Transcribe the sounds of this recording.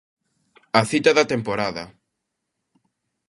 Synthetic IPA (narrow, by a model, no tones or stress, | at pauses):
ɐθit̪ɐðɐt̪empoɾaðɐ